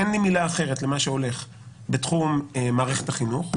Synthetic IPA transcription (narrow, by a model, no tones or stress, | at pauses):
enlimilaːχe̞ʁetle̞maʃeo̞le̞χ | betχummaːʁeχetaχinuχ